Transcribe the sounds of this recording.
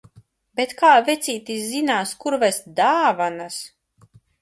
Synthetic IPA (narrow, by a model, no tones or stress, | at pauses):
bet̪kaːvʲɛt̪sʲiːt̪iszinaːskuɾvɛsd̪aːvanas